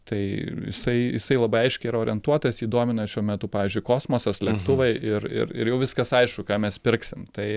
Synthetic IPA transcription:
t̪ɐɪjɪ̰sɐɪjɪsɐɪlˠɐbɐɪɐɪʃʲkʲɛɪiɾɐoːɾʲɛnt̪uɔt̪ɐsiːd̪oɔmʲɪnɐʃʲuɔmʲɛt̪ʊpɑːʋʲiːzʲd͡ʒʲʊɪkoːsmoːsɐslʲɛkt̪ʊʋɐɪʔɪɾɪ̰ɾɪɾjɛʊʋʲɪskɐsɐɪʃkʊkɑːmʲɛspʲɪɾksʲɪmt̪ɐɪ

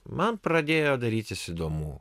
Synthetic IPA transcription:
mɐnpɾɐd̪ʲeːjoːd̪ɐɾʲiːt̪ʲɪsɪd̪oːmuː

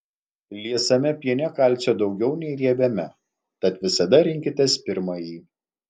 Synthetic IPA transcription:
lʲiɛsɐmʲɛpʲiɛnʲɛkɐˑlʲˑt̪sʲod̪ɒʊɡʲɛʊnʲɛɪɾʲiɛbʲɛmʲɛ | t̪ɐt̪ʋʲɪsɐd̪ɐɾʲɪŋʲkʲɪt̪ʲɛspʲɪɾmɐjiː

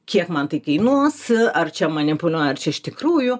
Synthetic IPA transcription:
kʲiɛkmɐnt̪ɐɪkɐɪnuɔsɐrt͡ʃʲɛmɐnʲɪpʊlʲuɔjɐrt͡ʃʲɛɪʃt̪ʲɪkɾuːjʊ

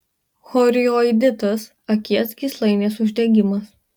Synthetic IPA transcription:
xɔɾʲɪjɔɪd̪ʲɪt̪ɐs | ɐkʲiɛt̪sɡʲiˑslˠɐɪnʲeːs̬ʊʒʲd̪ʲɛɡʲɪmɐs

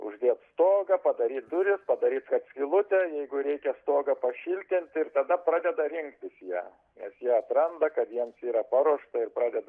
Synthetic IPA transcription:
ʊ̰ʒʲd̪ʲiːt̪st̪oːɡɐpɐd̪ɐɾʲiːt̪̚d̪ʊɾʲɪspɐd̪ɐɾʲiːt̪skɐpsʲkʲilˠʊt̪ʲɛjɛɪɡʊɾʲɛɪkʲɛst̪oːɡɐpɐʃʲɪlʲt̪ʲɪnʲt̪ʲɪrt̪ɐd̪ɐprɑːd̪ʲɛd̪ɐɾʲɪŋkt̪ʲɪsjæ̰ː | nʲɛsjiɛɐt̪ɾɐnd̪ɐkɐt̪jiɛmsiːɾɐpɑɾuɔʃt̪ɐɪrpɾrɑːd̪ʲɛd̪ɐ

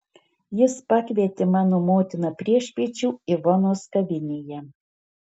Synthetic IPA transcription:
jɪspɑkʲʋʲiɛt̪ʲɪmɑːnoːmoːt̪ʲɪnɐpʲɾʲiɛʃʲpʲiɛt͡ʃʲuːɪʋɔnoːskɐʋʲɪnʲejɛ

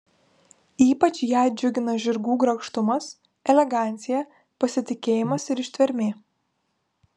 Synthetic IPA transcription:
iːpɐt͡ʃʲjæˑɪd͡ʒʲʊɡʲɪnɐʒʲɪɾɡuːɡɾɐkʃt̪ʊmɐs | ɛlʲɛɡɑˑnʲt̪sʲɪjɛ | pɐsʲɪt̪ʲɪkʲeːjɪmɐsɪɾɪʃʲt̪ʲʋʲɛɾʲmʲeː

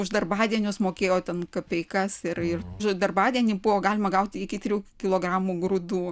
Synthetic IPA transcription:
ʊʒd̪ɐrbɑːd̪ʲiɛnʲʊsmoːkʲeːjoːt̪ʲɛnkɐpʲɛɪkɐsɪrɪrʃd̪ɐrbɑːd̪ʲiɛnʲiːbʊʋoːɡɑːlʲɪmɐɡɐʊt̪ʲikʲɪt̪ʲɾʲuːkʲɪlˠoːɡrɑːmuːɡrʊd̪uː

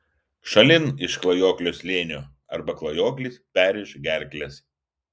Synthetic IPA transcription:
ʃɐlʲɪnɪʃklˠɐjoːklʲoːslʲeːnʲoː | ɐɾbɐklˠɐjoːklʲiːˑspʲæːɾʲɛʃɡʲæˑɾʲklʲɛs

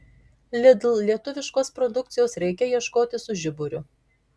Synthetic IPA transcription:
lʲɪd̪ʲlˠlʲiɛt̪ʊʋʲɪʃkoːspɾɔd̪ʊk̚t̪sʲɪjoːsɾʲɛɪkʲɛjiɛʃkoːt̪ʲɪsʊʒʲɪbʊɾʲʊ

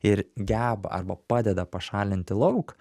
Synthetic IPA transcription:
ɪɾɡʲæːbɐ̰ʔɐ̰ɾbɐpɑːd̪ʲɛd̪ɐpɐʃɑːlʲɪnʲt̪ʲɪlˠɐʊk

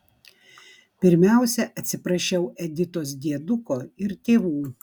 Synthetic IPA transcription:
pʲɪɾʲmʲæˑʊsʲɛʔɐt̪ʲsʲɪpɾɐʃʲɛʊʔɛd̪ʲɪt̪oːs̬d̪ʲiɛd̪ʊkoːɪɾt̪ʲeːʋuː

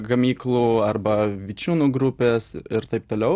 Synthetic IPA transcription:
ɡɐmʲiːklˠuɐrbɐʋʲit͡ʃʲuːnuːɡɾʊpʲeːsɪɾt̪ɐɪp̚t̪oːlʲɛʊ

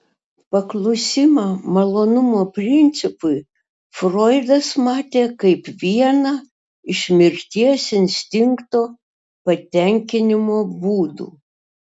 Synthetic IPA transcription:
pɐklˠʊsʲɪmɐmɐlˠoːnʊmoːpʲɾʲɪnʲt̪sʲɪpʊɪ | fɾoɪd̪ɐsmɑːt̪ʲeːkɐɪpʋʲiɛnɐː | ɪʃʲmʲɪɾʲt̪ʲiɛsɪnʲsʲt̪ʲɪŋkt̪oː | pɐt̪ʲɛŋʲkʲɪnʲɪmoːbuːd̪ṵː

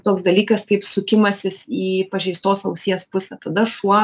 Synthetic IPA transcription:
t̪oːksd̪ɐlʲiːkɐskɐɪpsʊkʲɪmɐsʲɪsiːpɐʒʲɛɪst̪oːsoʊsʲijɛspʊsʲɛt̪ɐd̪ɐʃuɔ

